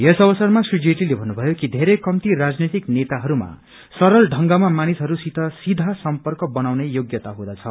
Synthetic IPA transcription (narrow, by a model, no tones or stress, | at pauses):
jesʌbʌsʌrmasud͡zeʈilebʱʌnːubʱʌjokid̪ʱeɾejkʌmt̪irad͡znʌjt̪iknet̪aɦʌɾuma̰ | sʌɾʌlɖʱʌŋɡamamanisɦʌɾusit̪ʰʌsid̪ʱasʌmpʌrkʌbʌnawnejoɡjʌt̪aɦũd̪at͡sʰʌ